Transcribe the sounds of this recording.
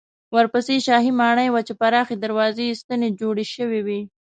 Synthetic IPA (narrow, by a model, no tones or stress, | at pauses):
wəɾpəseʃɑɦimɑɳəjwat͡ʃepaɾɑxed̪aɾwɑzeist̪əned͡ʒoɽeʃəwiwi